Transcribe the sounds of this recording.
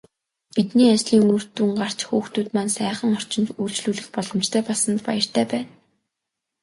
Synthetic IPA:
pit̪niːat͡ɕɮiːŋɵr̥t̪uːŋɢar̥t͡ɕxuːxt̪uːt̪mansæːχə̆ŋɔr̥t͡ɕɪ̆nt̪ujɮɬt͡ɕɮuːɮɘ̆xpɔɮɞ̆mt͡ɕt̪ʰæːpɔɮsə̆nt̪pa̰jə̆r̥t̪ʰæːpæːn

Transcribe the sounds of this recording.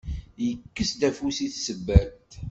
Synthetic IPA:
jəkːəsd̪æfusiθsəbːæt̪

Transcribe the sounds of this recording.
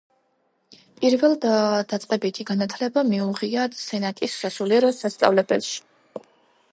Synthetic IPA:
pʼiɾvɛlˠd̪at̪sʼqʼɛbit̪ʰiɡanat̪ʰlɛbamiuʁiasɛnakʼisːasuliɛɾɔsast̪sʼa̰vlɛbɛlʃi̥

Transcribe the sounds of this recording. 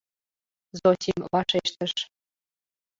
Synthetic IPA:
zot̪ʲimvɑʃeʃt̪əʃ

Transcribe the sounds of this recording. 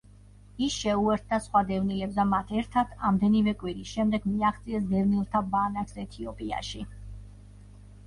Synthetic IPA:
isʃɛuɛɾt̪̚ʰd̪asχwad̪ɛvnilɛbsd̪amat̪ʰɛɾt̪ʰat̪ʰamd̪ɛnivɛkʼwiɾisʃɛmd̪ɛɡmiaχt̪sʼiɛsd̪ɛvnilˠt̪ʰabanakʰsɛt̪ʰiɔpʼia̰ʃi

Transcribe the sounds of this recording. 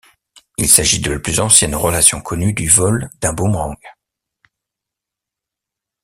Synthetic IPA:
ilsaʒid̪əlaplyzɑ̃sjɛnʁəlasjɔ̃kʰɔnyd̪yvɔld̪ɛ̃bõmʁɑ̃ɡ

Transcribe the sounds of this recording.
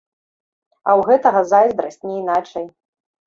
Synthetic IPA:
ɐwɣɛt̪ɐɣɐzajzd̪ɾasʲtʲnʲɛinat͡ʂɐj

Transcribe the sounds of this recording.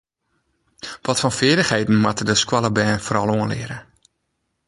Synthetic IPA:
ʋɔtfɔnfɪələxhejdn̩matədəskwaləbɛːnfoɾɔlˠoənlɪ̰əɾə

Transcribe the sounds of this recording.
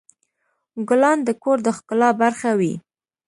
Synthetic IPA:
ɡʊlɑnd̪əkoɾd̪əxkʊlɑbaɾxawḭ

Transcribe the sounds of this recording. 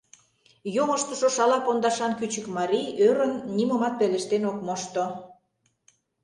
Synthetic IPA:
joŋə̆ʃt̪ə̆ʃoʃɑlɑpond̪ɑʃɑnkyt͡ɕəkmɑɾijøɾənːimomɑt̪̚peleʃt̪enokmoʃt̪o

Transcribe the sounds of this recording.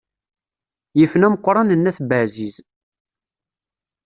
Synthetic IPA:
jəfnæməqʷːɾˤɑnənːæθbəʕziz

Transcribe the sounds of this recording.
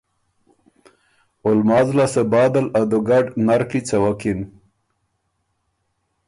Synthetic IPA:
ʊlmɑːzlasəbɑːd̪alad̪uɡaɖnaɾkit͡sawakin

